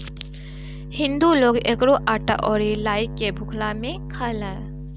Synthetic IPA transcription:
hɪ̃nd̪uloːɡekɾoʔaːʈa̰ʔɔːɾilaːɪkːebʱʊkʰlamẽkʰəlɛ̃

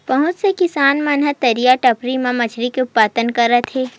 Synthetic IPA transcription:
pɐɦʊ̃t͡ʃsekɪsaːnmɐnɦət̪ɐɾijaʈɐpɾimãmɐt͡ʃʰɾikeʊppaːt̪ənkɐɾːət̪ʰeː

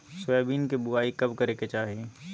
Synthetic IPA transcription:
sʊɛːbiːnkibʊaːikɐbkɐɾeket͡ʃaːɦie

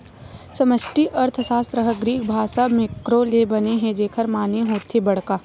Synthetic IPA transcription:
sɐməʃʈiʔɐɾt̪ʰəsaːst̪ɾəɦəɡɾiːkʰbʱaːsamɪkɾolebɐneɦɛ̃d͡ʒeːkʰəɾmaːneɦoːt̪ʰibɐɽ̤kaː

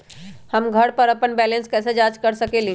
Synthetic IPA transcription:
həmɡʱəɽpəɾəpənbɛlenskɛsed͡ʒad͡ʒkəɾsəkelĩ

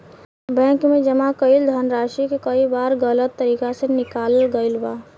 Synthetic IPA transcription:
bɛ̃ːkmẽd͡ʒəmakəild̪ʱənɾaːʃikekəibaːɾɡələt̪ːəɾiːkasenɪkaːlɡəɪlbaː

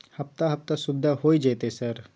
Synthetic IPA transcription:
hɐpt̪aɦɐpt̪asʊbd̪ʱaɦoːid͡ʒeːt̪esɐɾ

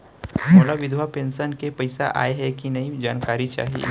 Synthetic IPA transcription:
mɐlabɪd̪ʱwapẽːnsənkepɐɪsa̰ʔa̰ːeɦɛkinɐɦĩd͡ʒaːnkaːɾit͡ʃa̰ːɦḭ

